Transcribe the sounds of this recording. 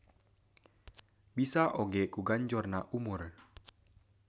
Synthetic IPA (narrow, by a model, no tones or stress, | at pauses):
bisaʔoɡɛkuɡaɲd͡ʒɔrnaʔumʊr